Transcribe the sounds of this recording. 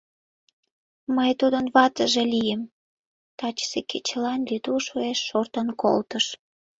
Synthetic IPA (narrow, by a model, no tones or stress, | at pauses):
məjt̪ud̪ənβɑt̪əʒelijəm | t̪ɑt͡ɕsekʰet͡ɕəlɑnlyd̪uʃueʃːort̪ənko̰lt̪əʃ